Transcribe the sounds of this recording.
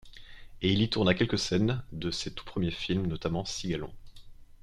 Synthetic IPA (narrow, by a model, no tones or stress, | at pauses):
eilit̪uʁnakʲɛlkəsɛnd̪əset̪u̥pχəmjefilmnɔt̪amɑ̃siɡalɔ̰̃